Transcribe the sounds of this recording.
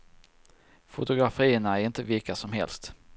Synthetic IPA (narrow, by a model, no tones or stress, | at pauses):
fʊt̪ʊɡɾafiːənaæɾɪnt̪əvɪlkasɔmɦɛ̰lst̪